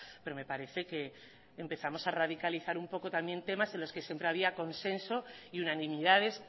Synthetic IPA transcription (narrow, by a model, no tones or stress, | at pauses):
pe̞ɾo̞me̞paɾe̞θe̞ke̞ː | mpe̞θamo̞saraðikaliθaɾumpo̞ko̞t̪ambje̞nt̪e̞mase̞nlo̞skesje̞mpɾe̞aβ̞iako̞nse̞nso̞iunanĩmiðað̞e̞s